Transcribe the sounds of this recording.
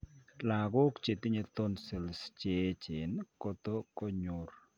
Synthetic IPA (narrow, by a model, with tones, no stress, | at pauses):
la˨ɡʊ˦kt͡ʃe˨t̪ɪ˦ɲe˦t̪o˦nsɪ˨lst͡ʃe˨˦t͡ʃɪ˨nkɔ˦t̪o˦kɔ˦ɲʊr